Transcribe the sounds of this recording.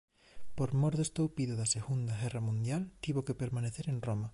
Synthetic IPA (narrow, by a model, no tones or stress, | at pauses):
poɾmoɾðest̪owpiðoðɐseɣund̪ɐɣɛrɐmũnd̪jalt̪iβokepeɾmaneθeɾenromɐ